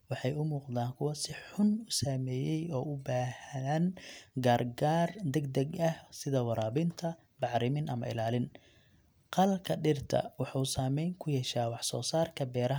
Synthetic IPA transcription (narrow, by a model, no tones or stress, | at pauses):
wɑħɑjʊmuːqd̪aːŋkʰʊwɐsɪħʊnʊsaːmɛːjɛjɔːʊbaːhɐɐnɡaːrɡaːrd̪ɛɡd̪ɛɡɐhsɪðɐwɑɾaːβɪnt̪ʰɐ | bɑʕɾɪmɪnʔɐmɐ̰ɪ̰laːlɪn | qɑlkʰɐɖɪrt̪ʰɐ̰wɑħuːsaːmɛjŋkʰʊjɛʃaːwɑħsɔːsaːrkʰɐbɛːɾɐɦ